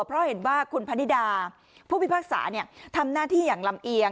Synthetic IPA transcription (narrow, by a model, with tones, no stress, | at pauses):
pʰɾɔ˦˥ɦe˨˩˦nwaː˥˩kʰu˧npʰa˧nːi˦˥daː˧ | pʰuː˥˩wi˦˥paː˥˩k̚sa̰ː˩˦ni˥˩ət̪ʰa˧mnaː˥˩t̪ʰiː˥˩jaː˨˩ŋla˧mʔi˧ə